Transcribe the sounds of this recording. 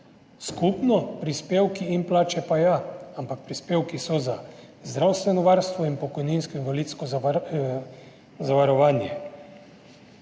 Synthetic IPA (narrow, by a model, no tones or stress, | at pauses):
skupnɔpɾispeːwkiːnplaːt͡ʃɛpajaampak̚pɾispeːwkisɔza | zd̪ɾawst̪ʋɛnɔʋaːɾst̪ʋɔinpɔkɔjninskɔinʋaliːt̪skɔ | zaʋaɾɔʋaːnjɛ